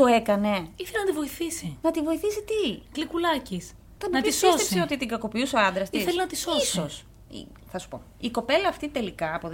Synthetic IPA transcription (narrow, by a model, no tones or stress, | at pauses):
t̪oe̞kɐne̞iθelinɐt̪ivoiθisinɐt̪ivo̞iθisit̪iklikulɐcis | t̪ɐnɐp̪isiosst̪epseo̞t̪it̪iɡɐko̞piuseoɐnd̪ɾɐst̪isθelinɐt̪isossos | ḭ | θɐsu̥po̞̰ | iko̞pe̞lɐːft̪it̪e̞likɐːpoð